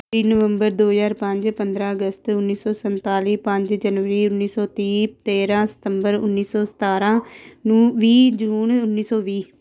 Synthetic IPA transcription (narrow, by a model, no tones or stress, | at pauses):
iːnəʋəmbəɾd̪oːzaːɾpə̃ɲd͡ʒpənd̪ɾãːəɡəst̪ʊnːiːsɔːsənt̪aːliːpə̃ɲd͡ʒd͡ʒənʋəɾiːʊnːiːsɔːt̪iːt̪eːɾãːsɪ̥t̪əmbəɾʊ̰nːiːsɔːsə̥t̪aːɾãː | ʋiːd͡ʒuːnʊnːiːsɔːʋiː